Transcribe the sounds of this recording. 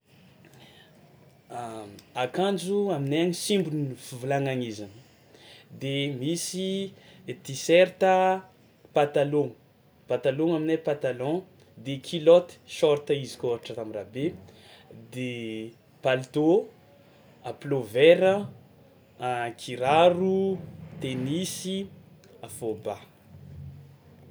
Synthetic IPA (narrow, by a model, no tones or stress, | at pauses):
akãnd͡ʒuamineaɲisimbunifivulaŋaŋizan | d̪emisi | t̪isɛɾt̪ə | pat̪aloŋu | pat̪aloŋaminapãt̪alɔ̃ | d̪ekʰilɔt̪i̥ʃɔɾt̪əizi̥koaaʈ͡ʂət̪amirabe | d̪e | palt̪o | aplovɛɾə | kʰiɾaɾut̪enisi | afoba